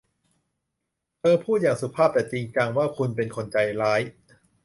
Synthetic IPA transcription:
t̪ɤː˧pʰuː˥˩t̪̚jaː˨˩ŋsu˨˩˦pʰaː˥˩p̚t̪ɛː˨˩t͡ɕiː˧ŋkaː˧ŋwaː˥˩kʰu˧npe˧nkʰo˧nt͡ɕa˧jɾaː˦˥j

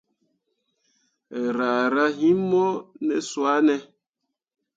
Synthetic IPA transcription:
ɛ˨ɾaː˨ɾa˦ɦi˦mːɔ˦nɛ˨swa˦nɛ˦

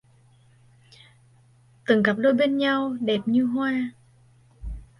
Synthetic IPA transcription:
t̪ɨ˨˩˦ŋɣa˨˩p̚ɗo˧jɓe˧nɲa˧wɗɛ˨˩p̚ɲɨ˧ɦwaː˧

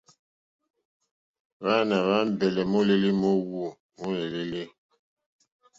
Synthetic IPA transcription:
βa˦na˨βa˦m˦bɛ˨lɛ˨mo˦le˦li˦mo˦wu˦˨ | mo˦le˨le˦le˦

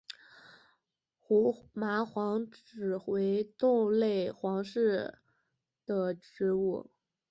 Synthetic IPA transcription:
xu˧˥ma˧˥xwɑ˧˥ŋʈ͡ʂɻ̩˨˩xwe˧˥ɪt̪ʊ˥˧ŋle˥˩ɪxwɑ˧˥ŋʂɻ̩˥˩ | d̪̥ə˨ʈ͡ʂɻ̩˧˥u˥˩

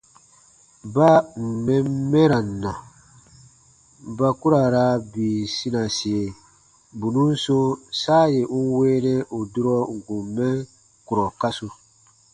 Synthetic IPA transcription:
ba˦m̩˨mɛ˦mː˦ɛ˦ɾa˨nːa˨ | ba˦ku˦ɾa˨ɾa˦biː˨si˦na˨si˨e˨ | bu˨nũ˦n˦so˦saː˦je˨ŋu˦weː˦nɛ˦ʔu˨du˦ɾɔ˦ŋ˨ɡũ˨mmːɛ˦ | ku˨ɾɔ˨ka˦su˨

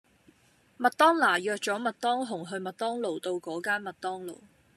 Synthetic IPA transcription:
mɐ˨t̪ɔː˥ŋlaː˨˩jœː˨k̚t͡sɔː˨˥mɐ˨t̚t̪ɔː˥ŋɦʊ˨˩ŋɦɵ˧ɥmɐ˨t̚t̪ɔː˥ŋlo˨wt̪o˧wkɔː˨˥kaː˥nmɐ˨t̚t̪ɔː˥ŋlo̰˨˩w

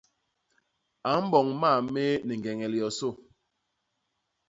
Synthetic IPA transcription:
a˨˦m̩˦bɔ˨ŋma˦˨me˦nɛ˨ŋ˨ɛ˨ŋɛ˨li˨ɔ˨so˦˨

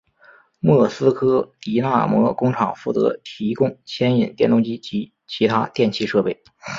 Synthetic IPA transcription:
mwɤ˥˩sɹ̩˥kʰɤ˥t̪i˧˥na̰˥˩mwɔ˧˥kʊ˥ŋʈ͡ʂʰɑ˨˩ŋfu˥˩t̪ɤ̰˧˥t̪ʰi˧˥kʊ˥ŋt͡ɕʰjɛ˥ni˨˩nt̪jɛ˥˩nt̪ʊ˥ŋt͡ɕi˥t͡ɕi˧˥ | t͡ɕʰi˧˥t̪ʰa˥t̪jɛ˥˧nt͡ɕʰi˥˧ʂɤ˥˧pe˥˩ɪ

